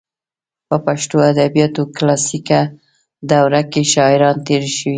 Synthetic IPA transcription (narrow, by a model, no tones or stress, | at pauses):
pəpaʃt̪oad̪abijɑt̪oklɑsika | d̪awɾakeʃɑɪɾɑnt̪eɾʃəwi